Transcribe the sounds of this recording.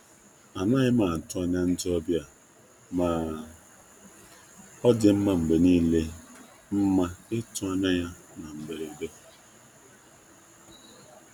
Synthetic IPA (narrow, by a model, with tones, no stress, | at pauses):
a˨na˦ɣɪ˦maː˨tʊ˦a˨ɲa˦n̩˦d͡ʒɔ˦bja˨ | maː˨ | ɔ˦dɪ˨m̩˦ma˨m̩˨ɡ͡be˨niː˦le˦ | m̩˦ma˦ɪ˦tʊ˦a˦ɲa˦ja˦na˨m̩˨be˨ɾe˨be˦